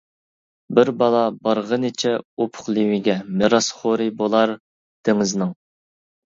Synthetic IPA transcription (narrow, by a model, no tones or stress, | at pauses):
bɪɾbɑlˠɑbɑɾʁənɪt͡ʃʰɛopʰʊ̥χlˠɪwɪɡʲɛmeɾɑsχoɾɪbolˠɑɾ | d̪̥ɪŋɪznɨŋ